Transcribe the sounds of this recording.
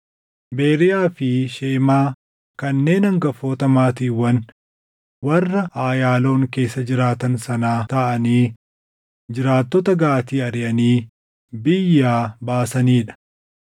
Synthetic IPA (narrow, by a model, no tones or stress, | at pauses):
be̞ːɾɪjaːfɪʃeːmaː | kɐnːe̞ːnɐŋɡɐfoːt̪ɐmaːt̪iːwɐn | wɐrːɐʔaːjaːlo̞ːŋke̞ːsːɐd͡ʒɪɾaːt̪ɐnsɐnaːt̪ɐʔɐniː | d͡ʒɪɾaːt̪ːɔt̪ɐɡaːt̪iːɐɾɪjɐniː | bɪjːaːbaːsɐniːᶑɐ̥